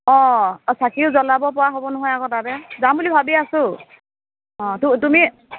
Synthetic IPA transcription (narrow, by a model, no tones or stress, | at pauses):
ɔ̃sakiʊzɔlabɔpɔɹaɦobɔnɔɦɔjakɔtabɛzambulibʱabiasʊ | ɔ̃tutumi